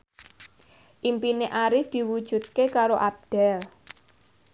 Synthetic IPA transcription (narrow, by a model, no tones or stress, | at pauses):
ʔimpineʔaɾɪfd̪̥i̤wud̥ʒ̥ṳt̪̚kekaɾoʔab̚ɖ̥ɛl